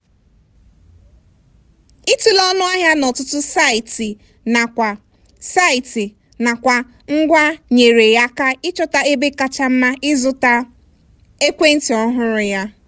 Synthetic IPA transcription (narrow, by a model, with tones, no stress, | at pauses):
i˦tu˦lɔ˦nʊ˦a˦ɦja˦nɔ˨tʊ˦tʊ˦sa˦ɪ˨ti˨ | na˨kʷa˨ | sa˦ɪ˨tɪ˨ | na˨kʷa˨ | ŋ̩˦ɡʷa˦ɲe˨ɾe˨ja˦ka˦ɪ˦t͡ʃɔ˦ta˦e˦be˦ka˦t͡ʃa˦m̩˦ma˦ɪ˦zʊ˦ta˦ | e˦kʷe˦n̩˦ti˨ɔ˦ɦʊ˦ɾʊ˨ja˦